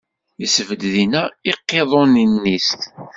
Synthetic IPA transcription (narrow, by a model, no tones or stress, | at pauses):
isəvəd̪ðinæiqːeðˤoninːist̪